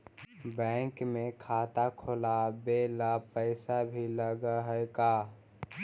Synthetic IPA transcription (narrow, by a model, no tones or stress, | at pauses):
bɛ̃ːŋkmẽkʰaːt̪akʰolabeːlapəɪsabʱiləɡɦəkaː